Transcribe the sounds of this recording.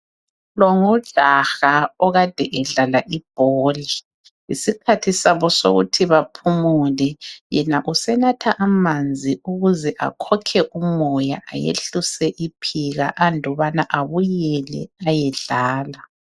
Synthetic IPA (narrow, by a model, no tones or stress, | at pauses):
lɔŋɔɮaxaɔɣad̥ʱɛʔɛɮalaʔib̥̚ʱɔːli | ḭsikʰatʰisaβɔso̰ɣṵtʰiβapʰumulɛjɛnaʔusɛnatʰaʔamand͡zʱiuɣuzɛʔa̰kʰɔkʰɛʔumɔjaʔa̰jḛɬusɛʔipʰiɣa̰ʔandʱɔβanaʔaβujɛlɛ̰ajɛɮaːla